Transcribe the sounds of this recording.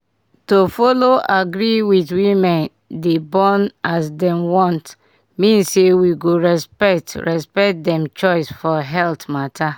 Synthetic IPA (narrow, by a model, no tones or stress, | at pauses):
tofɔloaɡɾiwitwimɛ̃n | debɔ̃nasdɛ̃mwɔ̃nt | mĩnsewiɡoɹɛspɛktɹɛspɛkt̚dɛ̃mt͡ʃɔɪsfɔɦɛltmatʰa